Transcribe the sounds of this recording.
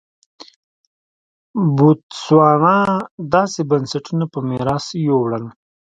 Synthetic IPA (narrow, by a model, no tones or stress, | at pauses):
but̪swɑːnad̪ɑːsebɐnsaʈunapəmeɾaːsjowɽən